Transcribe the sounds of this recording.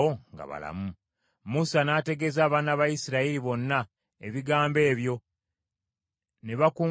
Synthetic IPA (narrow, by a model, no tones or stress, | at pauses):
oŋɡa̰βa̰la̰mu | musanaːte̞ɡe̞zaːβaːnaβajisiɾaiɾiβo̞nːa | eβiɡaːmbe̞ːβjo̞ | ne̞βakuː